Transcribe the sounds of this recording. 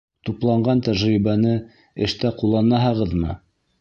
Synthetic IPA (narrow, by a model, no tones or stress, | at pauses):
t̪uplˠɑɴɢɑnt̪æʒɾiβænɘ | ɘ̆ʃt̪æqulˠːɑnɑɦɑʁɤðmɤ̰